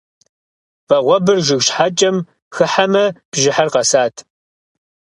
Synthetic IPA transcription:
vɐʁʷɔbɨrʒɪɣɕħat͡ʃʼɐm | xɨħamɐb̥ʒɪħarqɐsaːtʰ

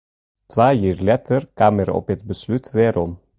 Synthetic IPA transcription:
t̪ʰʋɑːjiːɾlɛt̪ʰəɾkʰɑməɾɔ̰pɛt̪bəslʉt̪ʰd̪eːɾɔm

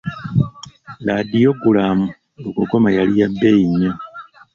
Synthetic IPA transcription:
ladijoɡulaːmu | okuɡomajalijabːeinːe

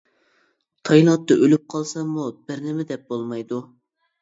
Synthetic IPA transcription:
t̪ʰɑjlˠɑt̪ːɑʔølyp̚qʰɑlˠsɑmub̥ɪɾnɪmɪd̪ɛp̚bolˠmɑjd̪u

